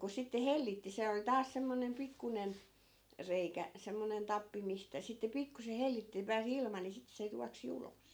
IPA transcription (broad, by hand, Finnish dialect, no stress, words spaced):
ku sitːe helːitːi se oli tɑːs semːonem pikːunen reikæ semːonen tɑpːi mistæ sitːe pikːuse helːitːi ni pæːs ilmɑ ni sit se juɑksi ulos